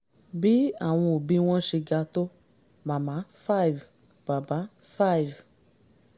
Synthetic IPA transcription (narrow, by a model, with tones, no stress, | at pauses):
bi˦a̰˦˨w̃ɔ̃˧o˨bĩ˦w̃ɔ̃˦ʃe˧ɡa˧to˦ | mã˨˦mã˨˦fa˦i˨v | b̥a˨ba˨˦ | fa˦i˨v